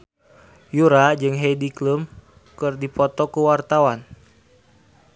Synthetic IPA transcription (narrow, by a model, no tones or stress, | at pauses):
juɾad͡ʒɨŋɦɛidiklum | kɨrdipɔt̪ɔkuwart̪awan